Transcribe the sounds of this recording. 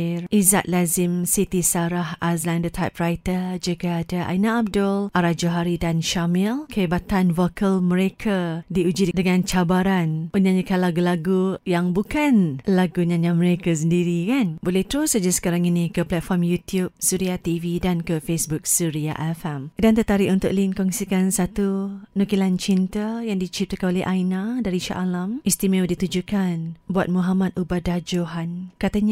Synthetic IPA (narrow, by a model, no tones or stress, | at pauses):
rʔiza̰ʔ̚lazɪmsit̪isaɾahʔaslandət̪ʰajpɾajt̪əd͡ʒəɡaːdaʔa̰jnaːb̚dʊlʔaɾad͡ʒoɦaɾidanʃamilkəibat̪anvokʰəlmə̃ɾekʰadiud͡ʒidəŋãnt͡ʃabaɾanənãd͡ʒəkanlaɡulaɡujaŋbukanlaɡuɲãɲãmə̃ɾekas̬əndiɾikanbolɛht̪əɾusad͡ʒasə̥kaɾaŋinikəplɛt̪̚fɔrmjut̪iup̚suɾiat̪ividankəfesbuk̚suɾia̰ʔɛfɛmdant̪ət̪aɾiʔunt̪ʊk̚linkɔŋsikansat̪unukilant͡ʃint̪əjaŋdit͡ʃip̚t̪əkanolɛʔajnadaɾiʃa̰ʔalamist̪imɛwdit̪ud͡ʒukanbuat̪̚muɦamat̪ubadahd͡ʒoɦankat̪aɲa